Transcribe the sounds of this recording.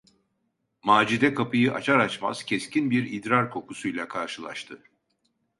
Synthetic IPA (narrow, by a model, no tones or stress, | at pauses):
maːd͡ʒid̪ɛkʰapʰɯjɯʔa̰t͡ʃʰaɾat͡ʃma̰z̥cʰescʰinbiɾid̪ɾaɾkʰo̞kʰusujlʲakʰaɾʃɯlˠa̰ʃt̪ʰɯ